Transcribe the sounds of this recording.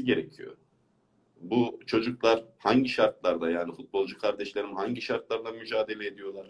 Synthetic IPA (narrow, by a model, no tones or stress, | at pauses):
iɟe̞ɾecʰijo̰ | but͡ʃʰo̞d͡ʒuklˠaɾ̥haɲɟiʃaɾt̪̚lˠaɾd̪ajaːnifut̪̚bo̞lˠd͡ʒukʰaɾd̪ɛʃlʲe̞ɾimhaɲɟiʃaɾt̪̚lˠaɾd̪ˠamyd͡ʒaːd̪e̞lʲeːd̪ijo̞lˠaɾ̥